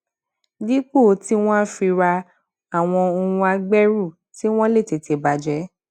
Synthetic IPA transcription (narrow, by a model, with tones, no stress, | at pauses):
di˦k͡po˦˨˦ti˦w̃ɔ̃˦fi˧ɾa˧ | a˨w̃ɔ̃˧o˧ũ˧a˧ɡ͡bɛ˦ɾu˦˨ | ti˦w̃ɔ̃˦le˦˨te˨˦te˨ba˨d͡ʒɛ˨˦